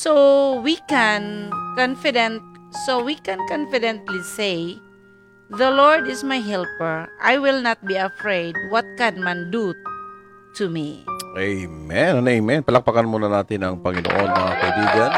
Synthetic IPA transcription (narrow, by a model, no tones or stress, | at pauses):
sowikɛnkɔ̃nfidɛ̃nt̪̚sowikɛ̃nkɔ̃nfidɛ̃nt̪lise | ðəlɔɹdɪsmajɦɛlpəɹʔajwɪlnɔt̪̚biafɹejd̚wɔt̪̚kɛ̃nmãndu | t̪ʰumḭejmɛnanemɛnpəlak̚pakanmunanat̪inaŋpaŋino̰ʔɔnmaŋakajduɡan